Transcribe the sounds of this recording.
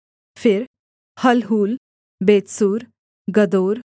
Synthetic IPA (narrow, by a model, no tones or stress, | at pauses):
fiɾ | həlɦuːl | bet̪suːɾ | ɡəd̪oːɾ